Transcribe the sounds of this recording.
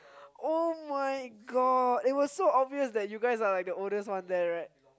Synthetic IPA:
ʔomaɪɡɔdɪt̚wɔssoɔbviəsdɛt̚juɡaɪs̬alaɪk̚dəoldəswãndɛɹaɪt̚

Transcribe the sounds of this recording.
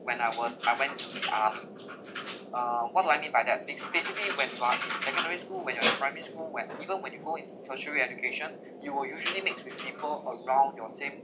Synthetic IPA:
wɛ̃naɪwɔzaɪwɛ̃ntʔa̰mi | ʌwɔt̚duajmĩnbajdɛt̚liksbesibliwɛ̃njuaʔĩnsɛkə̃ndɛɹiskulwɛ̃njuaĩpɹãjmɛɹiskulwɛ̃nivə̃nwɛ̃njuɡoĩntutʰəʃɹiɛd͡ʒukʰeʃə̃n | juwəljuʒəlimek̚wipʰipələɹãʊ̃ndjɔsẽm

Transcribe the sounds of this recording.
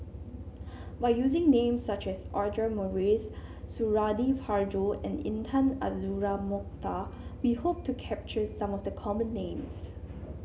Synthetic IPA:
baɪjuzɪ̃ŋnẽmsːat͡ʃɛsɔɹd͡ʒəmɔɹisːuɹadifhaɹd͡ʒoɛ̰̃nḭ̃ntʰãna̰zuɹamɔk̚tʰawihop̚tukʰɛp̚t͡ʃəsãmɔfdəkʰɔmə̃nːẽms

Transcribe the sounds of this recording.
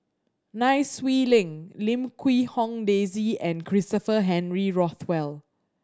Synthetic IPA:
naɪswilɪ̃ŋlĩmkʰwihɔ̃ŋdeziɛ̃nkʰɹistəfəɦɛ̃nɹiɹɔθwɛl

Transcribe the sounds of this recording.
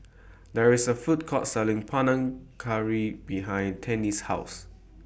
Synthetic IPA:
dɛɹisəfut̚kʰɔtsɛlɪ̃ŋpʰanãŋkʰaɹibiɦãɪj̃ntʰɛ̃nishaʊs

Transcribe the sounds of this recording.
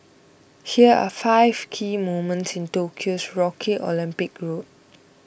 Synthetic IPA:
hiəa̰faɪv̥kʰiːmomə̃ntsɪ̃ntokʰiosɹɔkʰiʔɔ̰lĩmpɪkɹot̚

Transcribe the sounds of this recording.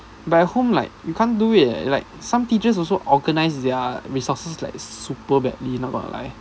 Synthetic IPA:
batɛhõmlaɪk̚jukʰãnduḭlaɪk̚sãmtit͡ʃəs̬ɔlsoʔɔɡənaɪsdɛəɹisɔsəsla̰ɪk̚supəbɛ̰dlinɔt̚ɡɔ̰̃ntə̰la̰ɪ

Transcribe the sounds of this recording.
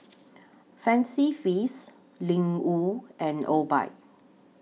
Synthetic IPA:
fɛ̃nsifis | lĩŋuʔɛ̃nʔɔba̰ɪt̚

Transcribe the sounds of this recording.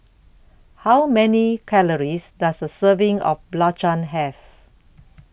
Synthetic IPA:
hawmɛnikʰɛləɹisdasdəsəvĩŋɔ̰fblat͡ʃə̃nɦɛf

